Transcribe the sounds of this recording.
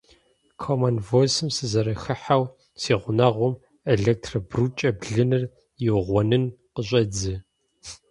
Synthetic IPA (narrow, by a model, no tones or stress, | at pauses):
kʰomɐnvosɨmsɨzɐɾɐxɨħaw | siːʁʷʊnɐʁʷʊm | eɮek̚tʰrɐbrut͡ʃʼɐbɮɨnɨr | jɪʁʷɔnɨnqəɕʼɐd͡zɨ